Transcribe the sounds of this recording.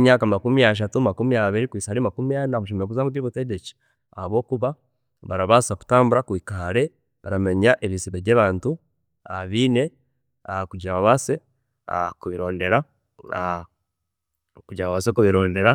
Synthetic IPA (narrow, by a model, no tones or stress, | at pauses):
ɲaːkamakumiaʃ̬atumakumijaβiɾikwiːsaɾimakumijanaβuʃ̬umoβuzaːmutiβuteɟeci̥ | ahaβo̞ːkuβa | βaɾaβasaku̥taːmbuɾakwikaːɾe | βaɾameɲaʔeβisiβejeːβaːntu | aβiːne | akuɟaβaβase | a̰kuβiɾo̞ːndeɾa | a | kuɟaβaβasekuβiɾoːndeɾa